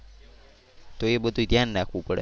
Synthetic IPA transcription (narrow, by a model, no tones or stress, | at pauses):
t̪oebəd̪ʱut̪janːakʰʋũpəɽḛ